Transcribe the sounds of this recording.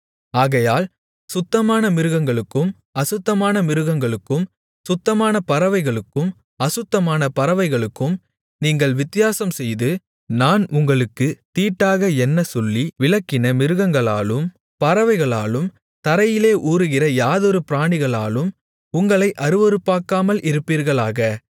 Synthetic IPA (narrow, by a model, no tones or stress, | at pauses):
aːɣɐjaːl | sʊt̪ːɐmaːnɐmɪɾɯɣɐŋɡɐɭɯkːɯm | ɐsɯt̪ːɐmaːnɐmɪɾɯɣɐŋɡɐɭɯkːɯm | sʊt̪ːɐmaːnɐpɐɾɐʋɐɪɣɐɭɯkːɯm | ɐsɯt̪ːɐmaːnɐpɐɾɐʋɐɪɣɐɭɯkːɯm | niːŋɡɐɭʋɪt̪ːɪjaːsɐmsɛjðɯ | naːnʊŋɡɐɭɯkːɯt̪iːʈːaːɣɐɛnːɐsɔlːiʋɪlɐkːɪnɐmɪɾɯɣɐŋɡɐɭa̰ːlɯm | pɐɾɐʋɐɪɣɐɭa̰ːlɯm | t̪ɐɾɐjɪleːʔuːɾɯɣɪrɐjaːðɔɾɯpɪɾaːɳɪɣɐɭa̰ːlɯm | ʊŋɡɐɭɐɪʔɐɾɯʋɔɾɯpːaːkaːmɐlɪɾɯpːiːɾɣɐɭaːɣɐ